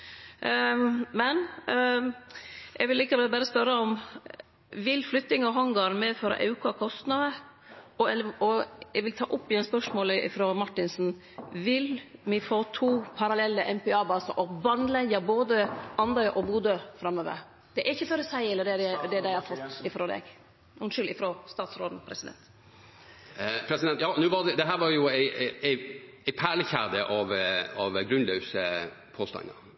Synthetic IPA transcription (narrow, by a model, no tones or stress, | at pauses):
mɛn | ɛɡʋɪlɪkəʋɛbæːɾəspœɾəɔm | ʋɪlflʏt̪ːɪŋɔɦɑŋɡɑɾmɛːfɔɾɔ̰ʔɑ̰ʉkɑkʰɔst̪nɑd̪əɔəɔɛɡʋɪlt̪ʰɑ̰ːʔʊpːɪɛnspœʂmoːləɪ̰fɾɔmɑʈːɪnsn | ʋɪlmɪfoːt̪ʰuːpʰɑɾɑlɛlːəʔɛmpɛɑːbɑːsɑʔɔbɑnlɛɡəboːd̪əʔɑnd̪ɑʏʔɔbuːd̪øfɾɑmːøːʋə̰ɾ | d̪̥ɛʔæɾɪçːəføɾəsæɪɛlːəɖ̪ɛd̪ɛd̪ɛd̪æɪhɑfɔt̪ːɪfɾoːd̪ɛ̰ɡ | ʊnʃʏlɪfɾost̪ɑːt̪sɾoːd̪n̩pʰɾɛsɪd̪ɛ̰nt̪ | pʰɾɛsɪd̪ɛnt̪jɑːnʉːʋɑʁd̪ɛd̪ɛɦæːɾʋɑɾjʊæɪæɪæɪpʰæːɭəçæʁd̪əʔɑʋɑʋɡɾʉnlœʉsə | pʰoːst̪ɑ̰ŋə̰ɾ